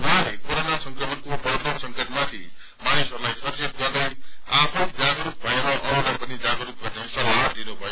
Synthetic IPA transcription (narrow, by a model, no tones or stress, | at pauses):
wʌɦãlekoɾonasʌŋkrʌmʌnkopʌɾd̪ʱesʌŋkʌʈmat̪ʰi | manisʌrlajsʌrd͡zet̪̚ɡʌrneapʰnõd͡zaɡɾuk̚bʱʌjeɾʌʔʌɾuɽʌpʌnid͡zaɡɾup̚ɡʌrnesʌlaɦʌd̪inobʱʌje